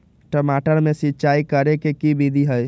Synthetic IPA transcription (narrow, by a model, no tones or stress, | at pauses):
ʈəmaʈəɾmesitːt͡ʃaikəɾekekibʱid̪ʱiɦəj